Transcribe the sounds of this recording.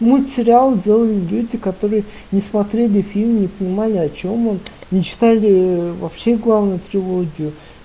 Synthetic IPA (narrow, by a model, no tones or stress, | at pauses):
mɨsʲɪɾʲɪalˠdʲe̞lˠəlʲɪlʲudʲɪkɐt̪o̞ɾɨjə | nʲɪsmɐt̪ɾʲelʲɪfʲilʲmʲnʲɪpənʲɪmalʲɪɐt͡ɕo̞monnʲɪt͡ɕɪ̥t̪alʲɪvɐpɕeɡlˠavnʊjʊt̪ɾʲɪlˠo̞ɡʲɪjʊ